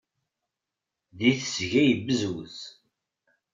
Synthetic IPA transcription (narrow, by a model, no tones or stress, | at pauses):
ðiθəsʝæjəbəzwz